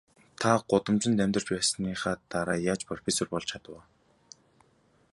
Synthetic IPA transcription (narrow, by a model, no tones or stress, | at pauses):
t̪ʰaɢ̥ʊt̪ə̆mt͡ɕɪ̆nt̪æmʲt̪ər̥t͡ɕpæːsniːχaːt̪aɾaːjaːt͡ɕpʰrɔfesɔrpɔɮt͡ɕʰat̪ə̆w̆